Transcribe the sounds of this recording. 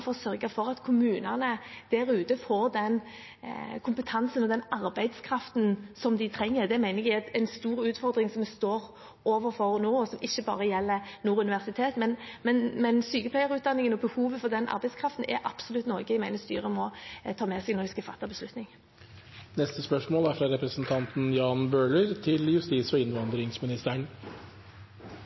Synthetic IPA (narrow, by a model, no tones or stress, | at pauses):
fɔɾɔsœɾɡəfɔɾɑt̪kʰʊmʉːnənəd̪̥æɾʉːt̪əfoːɾd̪ɛn | kʰʊmpət̪ʰɑnsənɔd̪ɛnɑɾbæɪd̪skʰɾɑft̪n̩sɔmd̪ɪt̪ʰɾɛŋːəɾd̪ɛmæɪnəɡæɪɑt̪æɪnst̪uːɾʉːt̪fɔɾd̪ɾɪŋsɔmɛst̪oːɾ | oːʋəɾfɔʁnoːɔsɔmʔɪçːəbɑ̰ːʁəjɛlːənuːɾʉnɪʋæʁsɪt̪ʰeːt̪mɛnmɛnmɛnsyːkəpʰlæɪəɾʉːt̪d̪ɑnːɪŋənɔbəhuːʋəfɔd̪ɛnʔɑ̰ɾbɛɪskʰɾɑft̪n̩ʔɛ̰ʔɑ̰psɔlʉt̪nɔɾɡəɪmæɪnəst̪y̰ːʁəmɔt̪ʰɑːmɛsɛɡnɔɪskɑfɑt̪ːɑbəslʉt̪nɪŋ | nɛst̪əspœʂmoːlæfɾɑɾɛpɾəsənt̪ʰɑnt̪n̩jɑːnbøːləɾt̪ʰɪljʉst̪iːsɔɪnʋɑnd̪ɾɪŋsmɪnɪst̪əɳ